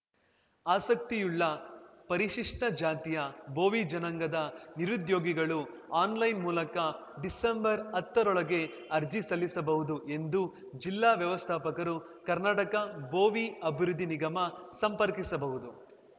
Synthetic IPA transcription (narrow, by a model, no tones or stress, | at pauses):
aːsɐk̚t̪ijuɭːɐpɐɾiʃiʂʈɐd͡ʒaːt̪ijɐboːʋid͡ʒɐnɐŋɡɐd̪ɐniɾud̪jo̞ːɡiɡɐɭu | aːnlɐjnmuːlɐkɐ | ɖisembɐɾɐt̪ːɐɾɔɭɐɡe̞ | ɐɾd͡ʒisɐlːisɐbɐɦud̪uʔe̞nd̪u | d͡ʒilːaːʋjɐʋɐst̪ʰaːpɐkɐɾu | kɐɾnaːʈɐkɐbo̞ːʋiɐbʱiɾud̪ʱːiniɡɐmɐsɐmpɐɾkisɐbɐɦud̪u